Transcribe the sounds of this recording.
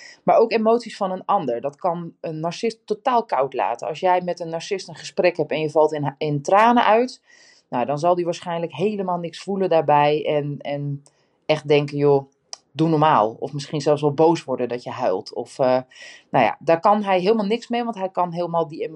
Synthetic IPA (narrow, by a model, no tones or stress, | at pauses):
maːɹowkemowtsisfɑnənɑndəɹdɔtkɑnənːaɹsɪsttːotaːlˠkɑwtla̰ːtəɑ̰sjɛjmɛtənːaɹsɪstənχəsprɛkɦɛpɛnjəvɑlˠtnɪntraːnəʔœɥt | nowdɔnzɑlˠdiʋaːɹsχɛjnləkɦejləmaːlˠnɪksfuləndaːɹbɛjɛnɛn | ʔɛχt̚dɛŋkəjo | dunɔɹmaːlˠɔ̰fmɪsχinzɛlˠfs̬ʋɛlˠbowsʋɔɹdəndɔtjəɦœɥlˠtʰɔfənawja̰ːdaːɹkɑnɦɛjɦeːlˠmaːlˠnɪksmejʋɑntɦɛjkɑnɦeːlˠəmaːlˠdie